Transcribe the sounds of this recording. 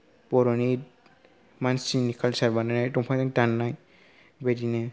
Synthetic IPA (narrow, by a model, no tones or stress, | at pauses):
pɔɾɔni | mansinikʰalsaɾbananajtɔmpʰajtaŋtanːaj | bedinɛ